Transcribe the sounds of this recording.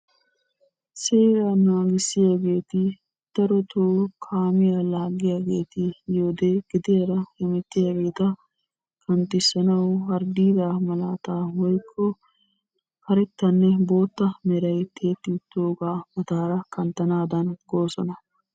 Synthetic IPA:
seːɾanaːɡɪsːɪjaːɡe̞ːt̪ɪ | t̪ːɐɾɔt̪ʰoːkʰaːmɪjalaːɡɪjaːɡe̞ːt̪ɪjoːd̪eːɡ̥ɪd̪ɪjɐɾɐhɛmɛt̪ːɪjaːɡe̞ːt̪ɐ | kʰɐnt̪ɪsːɐnɐwɐɾd̪iːd̪aːmɐlaːt̪aːwɔjkʰːɔ | hɐɾɛt̪ːɐnːɛbo̞ːt̪ːɐmɛɾɐjt̪ʰeːt̪ːɪt̪ːoːɡaːmɐt̪aːɾɐkɐnt̪ɐnaːd̪ɐnɡoːsɔnɐ

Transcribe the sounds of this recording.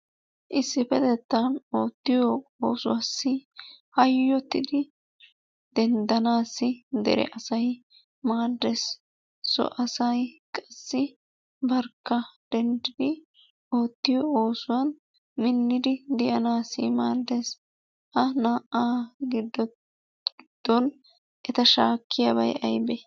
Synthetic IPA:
ʔɪsːɪfɛd̪ɛt̪ːɐnoːt̪ːɪjɔoːsʊwasːɪhɐjːɔt̪ːɪd̪ɪ | d̪̥ɛnd̪ɐnaːsːɪd̪ɛ̰ɾɛ̰ʔɐsɐj | maːd̪ːes | sɔ̰ʔɐsɐjkʼɐ̥sːɪ | bɐɾkːɐd̪̥ɛnd̪ɪd̪ɪ | o̞ːt̪ːɪjɔoːsʊwɐn | mɪnːɪd̪ɪd̪ɪʔɐnaːsɪmaːd̪ːes | hɐnaːʔaːɡɪd̪ːɔ | ɡɪd̪̥ːɔn | ʔɛt̪ɐʃaːkːɪjɐbɐjʔɐjbɛ

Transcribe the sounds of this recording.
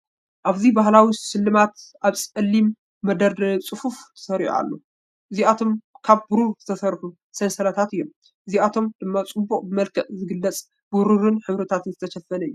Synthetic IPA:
ʔaβzibaɦlawisɨlːɨmat̪ʔaβsʼɐlːimː | ɐd̪ɐɾd̪ɐt͡sʼɨfuft̪ʰɐ̥sɐɾ̰ħṵa̰lːo̰ | ʔɨziat̪ʰo̞mkʰaβbɨɾuz̥ɨt̪ʰɐsɐɾħu | sensɐlat̪ʰat̪ɨjːom | ʔɨziat̪ʰo̞md̪̥ɨmːat͡sʼɨbːuqʼbɨmɐlkʰɐʔzɨɡɨlːɐt͡sʼ | buɾɨɾɨnħɨβɾɐt̪ʰat̪ɨnzɨt̪ʰɐʃɐfːɐnɐjːu

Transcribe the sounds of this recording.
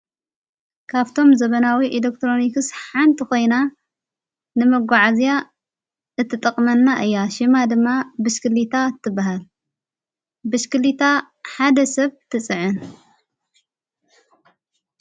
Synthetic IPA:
kʰaβt̪ʰo̞mzɐβɐnawiʔelek̚t̪ɾo̞nikɨsħant̪ʰiko̞jna | nɨmɐɡʷaʕazija | ɨt̪ʰːɨt̪ʼɐkʼmɐnːaʔɨjːaʃɨmad̪ɨmːabɨʃkɨlit̪ʰat̪ʰːɨbːaɦal | bɨʃkɨlit̪ʰa | ħad̪ɐsɐβt̪ʰɨt͡sʼɨʕɨn

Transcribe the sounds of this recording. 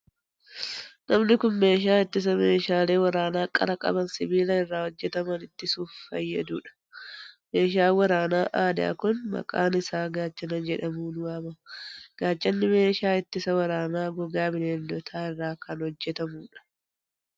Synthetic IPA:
nɐmnɪkʊnme̞ːʃ̬aːɪt̪ːɪs̬ɐmeːʃaːle̞ːwɐɾaːnaːkʼɐ̰ɾɐkʼɐ̰bɐnsɪbiːlɐɪrːaːhɔd͡ʒːɛt̪ɐmɐnɪt̪ːɪsuːffɐjːɐd̪uːᶑɐ̥ | meːʃ̬aːwɐɾaːnaːʔaːd̪a̰ːkʊnmɐ̰kʼa̰ːnɪsaːɡaːt͡ʃːɐnɐnd͡ʒɛᶑɐmuːnʊɐbɐɡ̥aːt͡ʃːɐnːɪme̞ːʃaːɪt̪ːɪsɐwɐɾaːnaːɡɔɡaːbɪneːnd̪ɔt̪ʰaːɪrːaːkɐnhɔd͡ʒːɛt̪ɐmuːᶑɐ̥

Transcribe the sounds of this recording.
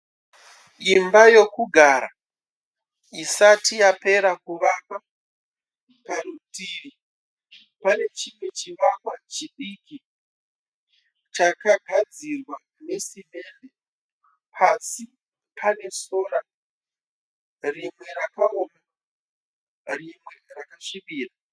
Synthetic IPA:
imbajo̞kuɡʱaːɾa | isatijape̞ɾakuʋama | paɾutiɾi | pane̞t͡ʃimwe̞t͡ʃiʋakwat͡ʃiɗiːki | t͡ʃakaɡʱad͡zirwa | ne̞sime̞ːnde | pʰasi | pane̞so̞ɾa | rimwe̞ɾakaoma | rimwe̞rakaʂimiːra

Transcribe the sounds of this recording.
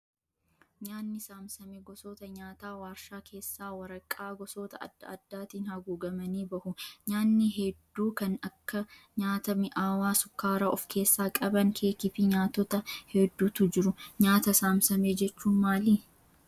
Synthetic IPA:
ɲaːnːɪsaːmsɐmeɡɔsoːt̪ɐɲaːt̪aːwaːɾʃaːkʰe̞ːsːaːwɐɾɐkʼːaːɡɔsoːt̪ɐɐ̰d̪̥ːɐɐd̪ːaːt̪iːnhɐɡuːɡɐmɐniːbɐhʊɲaːnːɪɦɛd̪ːuːkɐnɐkːɐ | ɲaːt̪ɐmɪʔaːwaːsʊkːaːɾaːʔɔfkʰe̞ːsːaːkʼɐbɐŋkʰe̞ːkɪfɪɲaːt̪ːɔt̪ɐhɛd̪ːuːt̪ʊd͡ʒɪɾʊɲaːt̪ɐsaːmsɐmeːd͡ʒɛt͡ʃːuːnmaːliː

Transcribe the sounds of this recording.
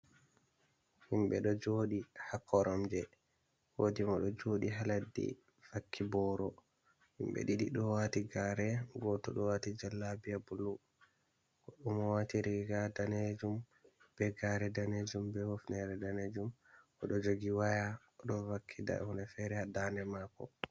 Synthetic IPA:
himɓɛɗɔd͡ʒoɗihakʰːɔɾɔmd͡ʒɛ | wodimɔɗɔd͡ʒoɗiɦaladːḭ | v̥akʰːibɔɾɔ | himbɛ̰ɗiɗiɗɔwatiɡaɾɛɡɔtɔɗɔwatid͡ʒalːabijabulːu | kɔɗumɔwatiɾiɡadaned͡ʒum | b̥ɛɡaɾɛdaned͡ʒumbɛhofnɛɾɛdaned͡ʒumʔɔɗɔd͡ʒoɡiwaja | ɔɗɔvakʰːida̰hunɛfɛɾɛhadanɛmakɔ̰

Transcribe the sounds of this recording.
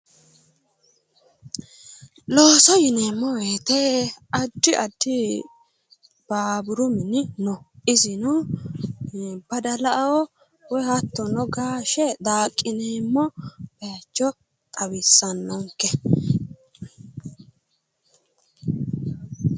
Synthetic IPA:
lo̞ːsɔjɪneːmːɔweːt̪ɛɐd̪ːɪʔɐd̪ːɪ | b̥aːbʊɾʊmɪnɪnɔɪzɪnɔ | b̥ɐd̪ɐlɐʔɐwɔ | wɔjhɐt̪ːɔnɔɡaːʃɛd̪aːkʼːɪneːmːɔb̥ɛat͡ʃːɔ | t̪ʼɐwɪsːɐnːɔŋkːɛ

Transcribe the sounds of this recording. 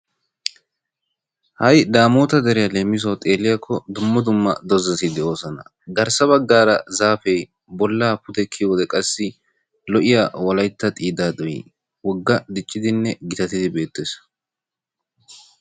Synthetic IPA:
hɐjd̪aːmoːt̪ɐd̪ɛɾɛjɐle̞ːmːɪs̬ɐwt̪ʼe̞ːlɪjɐkʰːɔd̪ʊmːɐd̪ʊmːɐ̰d̪ɔzɐsɪd̪ɛʔo̞ːsɔnɐ̰ | ɡɐɾsɐβɐɡːaːɾɐzaːfɛj | bɔlːaːpʊt̪ɛkʰːɪwɔd̪ɛkʼɐsːɪ | lɔʔɪjawɐlɐjt̪ːɐt̪ʼiːd̪aːd̪ɔjɪ̰ | wɔɡːɐd̪ɪt͡ʃʼːɪd̪ɪnːɛɡɪt̪ɐt̪ɪd̪ɪbe̞ːt̪ːeːs

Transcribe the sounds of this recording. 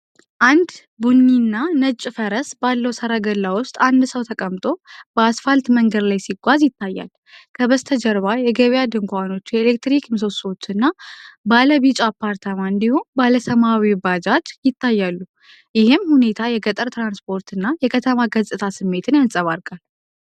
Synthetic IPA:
ʔand̪ | buɲːinːanət͡ʃʼːfəɾəsbalːəwsəɾaɡəlːawʊst̪ʼand̪səwt̪ʰəkʼəmt̪ʼo̞bəasfalt̪məŋɡəd̪lajsiɡʷazjɪt̪ʰːajːa̰l | kʰəβəst̪ʰəd͡ʒəɾβajɛɡəβjad̪ɨŋkʷano̞t͡ʃːjɛelek̚t̪ɾikms̬osot͡ʃːɨnːabaləβit͡ʃʼapʰːaɾt̪ʰamaɨnd̪ihonbaləsəmawibad͡ʒat͡ʃ̪jɪt̪ʰːajːalːu | jɪhɪmhune̞t̪ʰajɛɡət̪ʼəɾt̪ɾanspʰo̞ɾt̪ʰɨnːajɛkʰət̪ʰəmaɡəzt̪ʼɨt̪ʰasɨmːe̞t̪ʰɨnjansʼəβaɾkʼal

